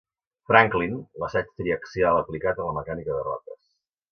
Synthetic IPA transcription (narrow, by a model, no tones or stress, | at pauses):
fɾaŋklinləsɛt͡ʃt̪ɾiəksialəplikat̪ələməkanikəðərɔ̰t̪ə̰s